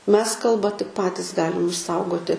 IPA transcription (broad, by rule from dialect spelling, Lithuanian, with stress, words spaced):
ˈmʲɛs ˈkɐlˠbɐ tʲɪk ˈpɑːtʲɪs ˈɡɑːlʲɪm ɪʃˈsɐʊɡoːtʲɪ